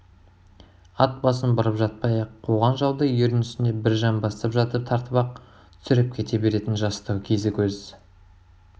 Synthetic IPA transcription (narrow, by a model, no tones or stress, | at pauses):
ɑt̪̚bɑs̬ənbɑɾəpʒɑt̪̚pɑjɑqʰːoʁɑnʒɑwˠd̪əjeɾɪnʏsɪne̞bɪɾʒɑmbɑst̪ɑpʒɑt̪əp̚t̪ʰɑɾt̪əβɑq̚ | t̪ʰʏ̥sʏɾɪp̚kʲʰe̞t̪e̞be̞ɾe̞t̪ɪnʒɑst̪əwkʲʰe̞zɪkʲʰɵz